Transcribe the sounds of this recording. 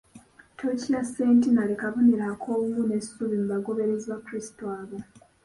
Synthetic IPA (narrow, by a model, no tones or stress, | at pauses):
tʰocijaseːntinalekavuniɾakʰoːumune̞suβimuβaɡo̞βe̞ɾezβakuɾisi̥toaːβo